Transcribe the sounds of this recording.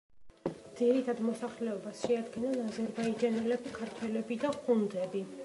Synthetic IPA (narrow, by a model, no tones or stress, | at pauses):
d̪ziɾit̪ʰad̪mɔsaχlɛɔbasʃɛad̪ɡɛnanazɛɾbaid͡ʒanɛlɛbikʰaɾt̪ʰwɛlɛbid̪aχund̪ɛbi